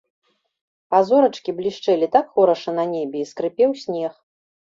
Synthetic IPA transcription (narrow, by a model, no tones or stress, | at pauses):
pazɔɾɐt͡ʂkʲiblʲiʂt͡ʂɛlʲit̪akxɔɾɐʂɐnɐnʲɛbʲɛiskɾɨpʲɛwsʲnʲɛx